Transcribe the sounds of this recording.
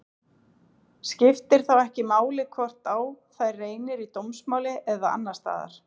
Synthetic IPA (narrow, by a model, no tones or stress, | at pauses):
scɪft̪ɪɾ̥θawɛhcɪmaːwlɪkʰvɔr̥t̪awθajrːeːjnɪɾit̪owmsmaːwlɪʔɛðaa̰nːast̪a̰ːða̰ɾ̥